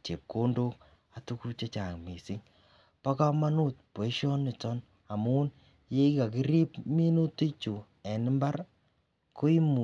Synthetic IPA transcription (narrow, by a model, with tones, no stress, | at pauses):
t͡ʃe˨p̚ko˦ndo˦k̚ | a˨tu˦ku˦t͡ʃe˦t͡ʃa˨ŋmi˨sɪ˦ŋ | pa˦ka˦ma˦nu˦t̚po˨i˦ʃɔ˦nːɪ˨tɔ˦n | a˨muː˦n | je˦ka˨ki˦ɾi˦pmi˦no˦ti˦t͡ʃu˨ | ɛ˨nɪ˦mba˦ɾ | ko˦i˦mu˨